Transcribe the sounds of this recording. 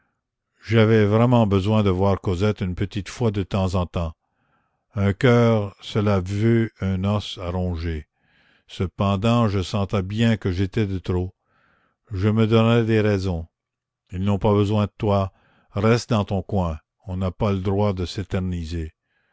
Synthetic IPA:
ʒavɛvʁɛmɑ̃bəzwɛ̃d̪əvwaːʁkozɛt̪ynpət̪it̪fwad̪ət̪ɑ̃zɑ̃t̪ɑ̃ | œ̃kœːʁsəlavøœ̃nɔsaɾɔ̃ʒe | səpɑ̃d̪ɑ̃ʒəsɑ̃t̪ɛbjɛ̃kəʒet̪ɛd̪ət̪ɾo | ʒəməd̪ɔnɛd̪eʁɛzɔ̃ | ilnɔ̃pabəzwɛ̃d̪ət̪wa | ʁɛst̪̚d̪ɑ̃t̪ɔ̃kwɛ̃ | ɔ̃napaləd̪ʁwad̪əset̪ɛʁnize

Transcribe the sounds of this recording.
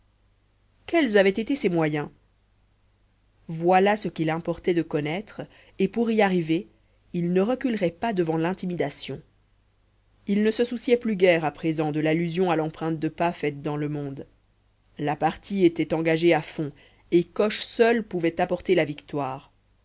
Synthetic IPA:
kɛlzavɛt̪et̪esɛmwajɛ̃ | vwalasəkilɛ̃pɔʁt̪ɛd̪əkɔnɛt̪χ | epuʁiaʁive | ilnəʁəkylʁɛpad̪əvɑ̃lɛ̃t̪imid̪asjɔ̃ | ilnəsəsusjɛplyɡɛʁapχezɑ̃d̪əlalyzjɔ̃alɑ̃pχɛ̃t̪̚d̪əpafɛt̪̚d̪ɑ̃ləmɔ̃d̪ | lapaʁt̪ʰiet̪ɛt̪ɑ̃ɡaʒeafɔ̃ | ekɔʃsœlpuvɛt̪apɔʁt̪elavikt̪waːʁ

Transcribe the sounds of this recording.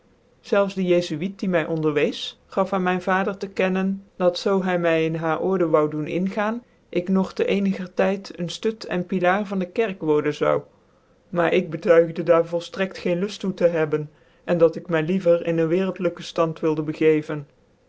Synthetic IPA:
z̥ɛlˠfzdəjejzyit̚dimɛjʔɔndəɹʋejs | χɑfaːnmɛjnvaːdəɹtəkɛnənd̥ɑtsowɦɛjmɛjɪnɦaːɹʔɔɹdəʋɑwdunɪ̰nχaːn | ʔɪknɔχtəʔejnəɣəɹtɛjtənstøtʰɛ̰npilaːrvɑndəkɛɹkʋɔɹdənzɑ̰w | maːɹʔɪɡ̚bətœɥχdədaːɹvɔlˠstrɛktχejnlɵstutəɦɛbən | ʔɛndɑtɪkmɛjlivəɹɪnənʋɪːrəlˠtləkəstɑntʋɪlˠdəbəɣejvən

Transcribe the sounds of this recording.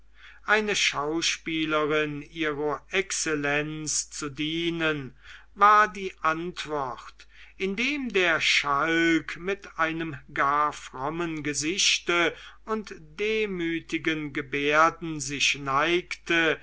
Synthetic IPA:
ʔaɪnəʃaʊʃpiːləʁɪniːʁɐʔɛksɛlɛnt͡st͡sudiːnən | vaːɐdiːʔantv̥ɔχtʔɪndeːmdeːɐʃalkmɪtʔaɪnəmɡaːfʁ̥ɔmənɡəzɪʃtəʊntd̥eːmyːtɪɡənɡəbeɐdn̩zɪʃnaɪktə

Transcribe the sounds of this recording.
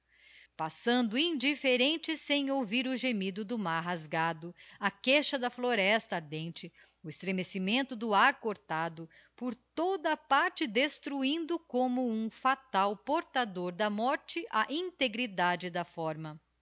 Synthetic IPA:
pasɐ̃nd̪ʊĩnd͡ʒifeɾẽnt͡ʃɪsẽj̃owviɾʊʒemid̪ʊd̪ʊmaɾɦazɡad̪ʊɐkeʃɐd̪ɐfloɾɛst̪ɐaɾd̪ẽnt͡ʃɪ | ʊɪst̪ɾemesimẽnt̪ʊd̪ʊaɾkoɾt̪ad̪ʊ | poɾt̪od̪ɐːpaɾt͡ʃɪd̪est̪ɾuĩnd̪ʊkõmʊũfat̪awpoɾt̪ad̪oɾd̪ɐmɔɾt͡ʃɪʔɐʔĩnt̪eɡɾid̪ad͡ʒɪd̪ɐfɔɾmɐ

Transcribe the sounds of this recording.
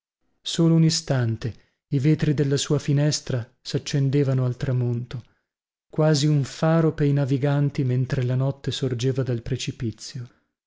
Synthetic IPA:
soːlounist̪ant̪e | iveːt̪ɾid̪elːasuːafinɛst̪ɾasat͡ʃːend̪eːvanoalt̪ɾamont̪o | kwaːziuɱfaːɾopeinaviɡant̪iment̪ɾelanɔt̪ːesord͡ʒeːvad̪alpɾet͡ʃipit̪sːjo

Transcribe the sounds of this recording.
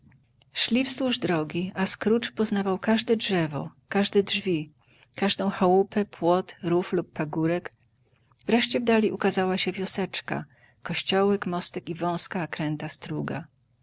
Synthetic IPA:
ʂlʲifswuʐd̪ɾɔɡʲiaskɾut͡ʂpɔznavawkaʐd̪ɛdʐɛvɔ̰kaʐd̪ɛdʐvʲi | kaʐd̪ɔ̃w̃xawupɛpwɔt̪ɾuflupːaɡuɾɛk | vɾɛʂt͡ɕɛvd̪alʲiʔukazawaɕɛvʲjɔsɛt͡ʂka̰ | kɔɕt͡ɕɔwɛkmɔst̪ɛkivɔ̃w̃skakɾɛnt̪ast̪ɾuɡa̰

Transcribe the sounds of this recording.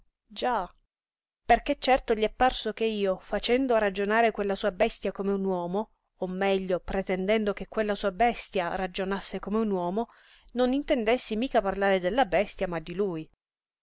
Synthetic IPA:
d͡ʒa | perket͡ʃːɛrt̪oʎiɛpːarsok̟eiːofat͡ʃɛnd̪oɾad͡ʒonaːɾekwelːasuːabɛst̪jakomeunwɔːmoː | mːɛʎːopɾɛt̪ɛnd̪ɛnd̪okekːwelːasuːabɛst̪jarad͡ʒonasːekomeunwɔːmo | nonint̪ɛnd̪esːimiːkaparlaːɾed̪elːabɛst̪jamad̪ːiluj

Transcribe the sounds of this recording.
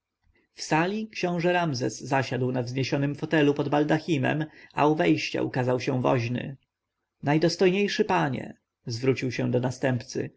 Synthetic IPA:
fsalʲikɕɔ̃w̃ʐɛɾamzɛsːaɕad̪wnavzɲeɕɔnɘmfɔt̪ɛlupɔd̪bald̪axʲimɛ̰ma̰uvɛjɕt͡ɕa̰ʔukazawɕɛ̃vɔ̰ʑnɘ̰ | najd̪ɔst̪ɔjɲejʂɘpaɲɛ̰ | zvɾut͡ɕiwɕɛ̃d̪ɔnast̪ɛmpt̪sɘ̰

